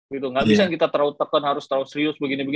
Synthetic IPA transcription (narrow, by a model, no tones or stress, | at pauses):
ɡit̪uŋɡaʔbisankit̪at̪əɾaut̪ːakanɦaɾʊst̪əɾaut̪səɾiʊsbəɡinibəɡ